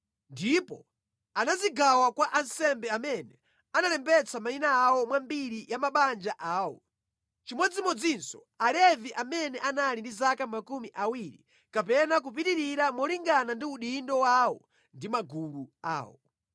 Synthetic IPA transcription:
ndipɔ | anaziɡawakwaʔansɛmbɛamɛnɛ | analɛmbɛt͡sʰamainaːwɔmwambiɾijamaɓand͡ʒaʔaːwɔ̰ | t͡ʃimɔd͡zimɔd͡zinsɔ | alɛviʔamɛnɛʔanalindizakamakumiʔawiɾḭ | kapɛnak̬up̬iɾiɾiɾamɔliŋɡanandiuɗindɔwawɔ | ndimaɡulua̰ːwɔ̰

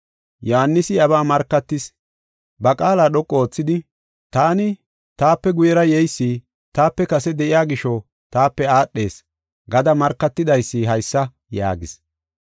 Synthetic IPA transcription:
jɔhɐnːɪsɪɐβaːmɐɾkːɐt̪ːɪs | bɐkʼaːlaːɗɔkʼːoːt͡sːɪd̪ɪ | t̪aːnɪ | t̪aːpːɛɡʊjɛɾɐjɛjsːiː | t̪aːpːɛkɐsɛd̪ɛʔɪjaːɡɪʃɔ | t̪aːpːɛaːɗːe̞ːs | ɡɐd̪ɐmɐɾkːɐt̪ːɪd̪ɐjsːiɦɐjsːɐ | ja̰ːɡɪs

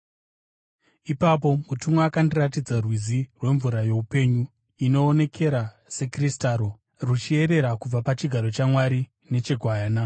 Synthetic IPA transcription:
ipap̬o̞mutumwakandiratid͡zarwizirwe̞ɱvuɾaje̞upe̞ɲu | ino̞ːne̞kʰe̞ɾa | se̞kristaɾo̞ | rut͡ʃie̞ɾe̞ɾakub͡vapat͡ʃiɡʱaɾo̞t͡ʃamwaɾi | ne̞t͡ʃe̞ɡʱwaaːna

